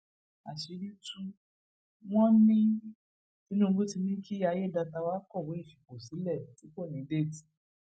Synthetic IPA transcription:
a̰˨ʃi˨˧˦ɾi˦tũ˦ | w̃ɔ̃˦nĩ˦ | i˦nũ˦˧ɡ͡bu˦ti˧nĩ˦kʰi˦a˧je˦˨da˧ta˧wa˦kɔ˦˨we˨˦i˦˨fi˨ko˨si˨˦lɛ˦˨ti˨˦ko˦˨nĩ˨˦de˦˨ti̥˨

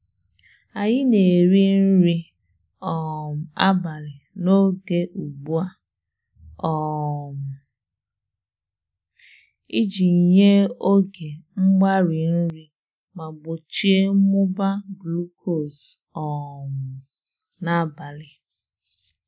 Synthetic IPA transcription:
a˨ɲɪ˦ne˨ɾi˦n̩˦ɾi˦ | ɔ˨m̩˨a˦ba˨lɪ˨no˦ɡe˦ʔu˨ɡ͡bu˦a˦ | ɔ˨m̩˨ | i˦d͡ʒi˨ɲe˦o˦ɡe˨ŋ͡m̩˦ɡ͡ba˦ɾi˨n̩˦ɾi˦ | ma˨ɡ͡bo˨t͡ʃi˦e˦mʊ˦ba˦blu˦kʰo˦˨s | ɔ˨m̩˨ | na˨ba˨lɪ˨

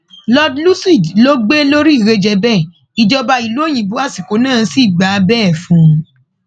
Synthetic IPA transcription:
lɔ˦dlu˦si˦˨dlo˦ɡ͡be˦lo˦ɾi˦i˦˨ɾe˧d͡ʒɛ˧bɛ˦˨ | i˨d͡ʒɔ˧ba˧i˨lu˨˦o˦˨j̃ĩ˨bu˨˦a˦˨si˨ko˨˦nãː˦˨˦si˦˨ɡ͡ba˨˦bɛː˦˨fũ˨˦

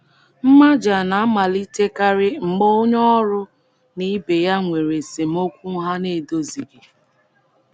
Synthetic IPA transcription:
m̩˦ma˦d͡ʒa˨na˨a˦ma˨li˦te˦ka˦ɾɪ˦ŋ͡m̩˨ɡ͡bɔ˦o˦ɲɔ˦ɾʊ˦ | ni˦be˨ja˦ŋʷe˨ɾe˨se˨m̩˦o˦kʷu˦ɦa˦ne˦˨do˦zi˨ɡɪ˨

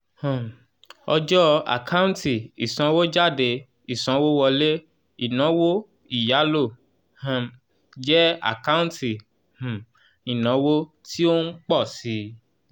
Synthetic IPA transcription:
hã˨ | ɔ˧d͡ʒɔ˦a̰˨kʰa˦ũ˦n˦ti˦˨i˨sã˧wo˦d͡ʒa˦˨de˧ | i˨sã˧˦wo˦wɔ˧le˦ | i˦˨nã˨˦wo˦ | i˦˨ja˨˦lo˦˨ | hã˨ | d͡ʒɛ˦a̰˦˨ka˦ũ˦n˦ti˨ | h̩˨ | i˨nã˨˦wo˦ | tʰi˦o˦ŋ̩˦k͡pɔ˦˨si˧˦

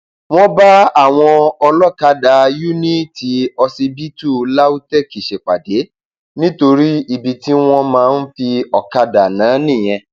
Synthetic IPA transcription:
w̃ɔ̃˦ba˦a˦˨w̃ɔ̃˧ɔ˧lɔ˦ka˦da˨ju˦nĩ˦˨ti˨˦ɔ˧si˧bi˦tu˦˨la˦u˦tɛ˦˨ki˨ʃe˨k͡pa˨de˨˦ | nĩ˦to˧ɾi˦i˨bi˨ti˨˦w̃ɔ̃˧mãː˧˦˧n̩˦fi˧ɔ˨ka˧da˨nãː˨˦nĩ˦˨j̃ɛ̃˧

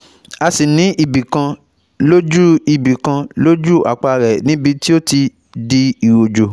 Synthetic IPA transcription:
a˧si˨nĩ˨˦ʔi˦˨bi˨kã˧ | lo˦d͡ʒu˦i˨bi˨kã˧lo˦d͡ʒu˦˨a̰˨k͡pa˧ɾɛ˨nĩ˨˦bi˧ti˦o˦ti˧ | di˧i˨wo˨d͡ʒo˨

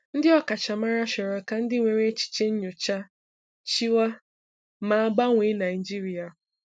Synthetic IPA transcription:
n̩˦dɪ˦ɔ˦ka˨t͡ʃa˨ma˦ɾa˦ʃe˨ɾɔ˨ka˦n̩˦dɪ˦ŋʷe˨ɾe˦t͡ʃi̥˨t͡ʃe˦ɲ̩˦ɲʊ˨t͡ʃa˦ | t͡ʃi˦wa˦ | ma˨a˦˨ɡ͡ba˦ŋʷe˨˦na˨ɪ˨d͡ʒi˦ɾi˨a˨

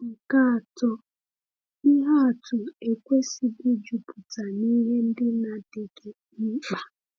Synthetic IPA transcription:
ŋ̩˨ka˦a˨tɔ˦ | i˦ɦa˦a˨tʊ˨e˨kʷe˦si˨ɡɪ˦d͡ʒu˨pʊ˨ta˨ni˦ɦe˦n̩˦dɪ˦na˨dɪ˨ɡe˨ | n̩˦k͡pa˨

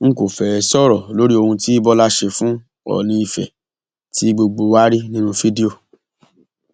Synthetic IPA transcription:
ŋ̩˦ko˨fɛ˨˧sɔ˦ɾɔ˨lo˨˦ɾi˦o˧hũ˧ti˦i˦bɔ˦la˦ʃe˧fũ˦ | ɔ̰˦˨nĩ˧i˧fɛ̰˨ | ti˦ɡ͡bo˧ɡ͡bo˧wa˦ɾi˦nĩ˦nũ˦fi˦di˦o˨

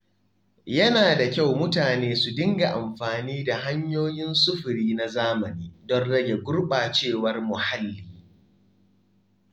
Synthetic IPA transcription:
jɐ˦naː˨da˨kʲa˦˨wmʊ˦taː˨neː˦su˨dɪ˦ŋɡa˨ʔa˨mɸaː˨niː˦da˨ɦa˦ɲjoː˦jɪ˦nsʊ˦ɸʊ˨ɾiː˦na˨zaː˦mɐ˨niː˦dɔ˦nɽɐ˦ɡʲe˨ɡʷʊ˦rɓaː˨t͡ʃeː˦˨wɐ˦rmʊ˨ha˦lːiː˨

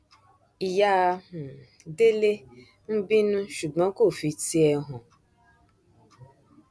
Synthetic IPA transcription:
i˨ja˨˧ũ˨ | de˦le˦ | n̩˦bĩ˦nũ˦ʃu˨ɡ͡bɔ̃˦ko˦˨fi˨˧ti˦ɛ˧ɦɔ̃˨

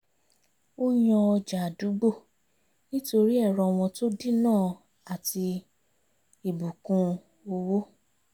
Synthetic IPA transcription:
o˦jɔ̃˧ɔ˧d͡ʒa˨a˨du˨˦ɡ͡bo˦˨ | nĩ˦to˧ɾi˦ɛ˦˨ɾɔ˧w̃ɔ̃˧to˦di˦nãː˦˨ | a˨ti˧ | i˨bu˨kũ˧ | o˧wo˦

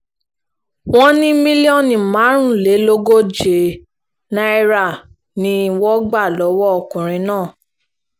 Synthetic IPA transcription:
w̃ɔ̃˦nĩ˦mĩ˦li˦ɔ˦˨nĩ˨mã˨˦ɾ̃ũ˦˨le˨˦lo˦ɡo˦d͡ʒe˨ | na˦i˦ɾa˦˨ | nĩ˦˧wɔ˦ɡ͡ba˦˨lɔ˨˦wɔ˦ɔ˧˨kũ˨ɾ̃ĩ˨˦nãː˦˨

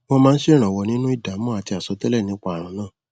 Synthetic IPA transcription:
wɔ̃˧mãː˦n̩˦ʃe˦ɾ̃ã˨wɔ˨nĩ˦nũ˦i˦˨da˨˦mɔ̃˦a˨ti˧a˨sɔ˨˦tɛ˦lɛ˦˨nĩ˨˦k͡pa˦a˨ɾ̃ɔ̃˨˧˦nãː˦˨

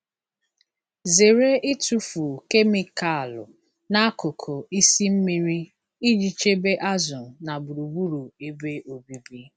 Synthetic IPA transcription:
ze˨ɾe˦ʔɪ˦tu˦fu˨ke˦mi˨ka˦˨lʊ̰˨ | na˦a˦ko˨kʰo˨i˦si˦m̩˦mi˨ɾi˦ | i˦d͡ʒi˨t͡ʃe˦be˦ʔa˦zʊ˨na˨bu˨ɾu˨bu˦ɾu˨e˦be˦ʔo˨bi˨bi˦

